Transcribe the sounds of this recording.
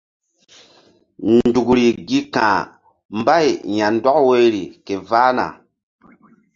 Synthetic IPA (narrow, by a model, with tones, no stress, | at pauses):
n˨du˨kɾi˨ɡi˦kã̰ː˨ | mba˦˨jja˨ndɔ˦kwe˦ɾi˨ke˨vaː˦na̰˨